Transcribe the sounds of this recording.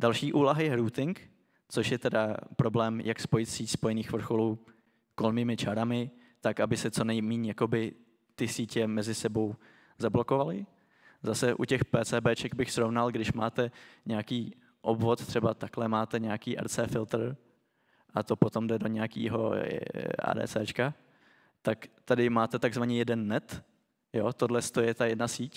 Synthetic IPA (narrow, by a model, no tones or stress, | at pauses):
dalʃiːʔuːlaɦajɛɾuːt̪ɪŋk | t͡soʃjɛt̪ɛdapɾo̞blɛːmjʔakspo̞jɪt̪siːcspo̞jɛniːxvr̩xo̞luː | kolmiːmɪt͡ʃaɾamɪ | t̪akabɪsɛt͡so̞nɛjmiːɲjako̞bɪ | t̪ɪsiːcɛmɛzɪsɛbo̞w | zablo̞ko̞valɪ | zasɛʔucɛxpɛːt͡sɛːbɛːt͡ʃɛɡbɪxsɾovnalɡdɪʃmaːt̪ɛɲɛakiː | ʔobvo̞t̪t̪r̝̥ɛbat̪aklɛmaːt̪ɛɲɛakiːʔɛ̰ɾt͡sɛːfɪlt̪r̩ | ʔa̰t̪o̞pot̪o̞mdɛdo̞ɲɛakḭːɦo̞̰ | a̰ːdɛ̰ːt͡sɛ̰ːt͡ʃka | t̪akt̪adɪmaːt̪ɛt̪aɡzvaɲɛjɛdɛnːɛt̪ | jo̞t̪odlɛst̪ojɛt̪ajɛdnasiːc